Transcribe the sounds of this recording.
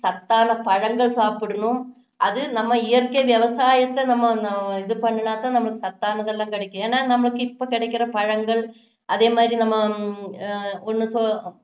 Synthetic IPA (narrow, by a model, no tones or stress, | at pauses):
sɐt̪ːaːnɐpɐɻɐŋɡɐɭsaːpɪɽɯɳʊ̃m | ʔɐðɯnɐmːɐɪjɐɾkɐjʋjɐʋɐsaːjɐt̪ːɐnɐmːɐnɐɪðɯpɐɳːɯnaːt̪ãːnɐmːɐɭɯkːɯsɐt̪ːaːnɐðɛlːãːkɪɽɐkːʊ̃eːnːaːnɐmːɐɭɯkːɯɪpːokɪɽɐɪkːɪɾɐpɐɻɐŋɡɐɭ | ʔɐðeːmaːd̪ɾinɐmːɐ | ɔnːɯso